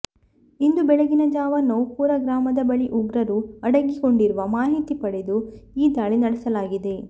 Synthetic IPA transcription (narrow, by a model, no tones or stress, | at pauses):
ind̪ubɛɭeɡinɐd͡ʒaːʋɐnɐwpuːɾɐɡɾaːmɐd̪ɐbɐɭiʔuɡɾɐɾuɐɽɐɡiko̞ɳɖiɾuʋɐmaːɦit̪ipɐɽed̪uiːd̪aːɭinɐɽɛsɐlaːɡid̪e̞